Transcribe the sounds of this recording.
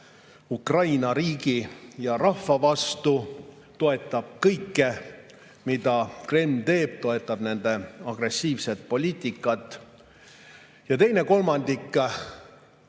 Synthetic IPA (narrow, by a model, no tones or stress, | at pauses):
ukrɑjnɑɾiːɡ̥ijɑɾɑhfvːɑvɑst̪u | t̪o̞e̞t̪ːˑɑb̥̚kɤjkːe | mid̪̥ɑkremːt̪e̞ːb̥t̪o̞e̞t̪ːˑɑb̥ne̞nd̪̥e̞ɑɡ̥re̞sːiːvse̞t̪̚po̞lʲiːt̪ʲːˑikːˑɑt̪ːˑ | jɑt̪e̞jne̞ko̞lmɑnd̪̥ikː